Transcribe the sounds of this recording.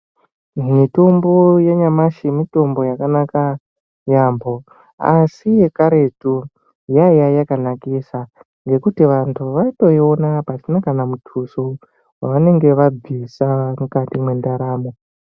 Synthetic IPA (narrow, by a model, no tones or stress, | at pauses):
mito̞mbo̞jeɲamaʃimito̞mbo̞jakanaka | jambo̞ | a̰sije̞kaɾe̞tu | jajajakanakisa | ŋɡe̞kutiʋantʰuʋaito̞ionapasinakanamutʰuso | waʋane̞ŋɡe̞ʋab͡visamukatimwe̞ndaɾaːmo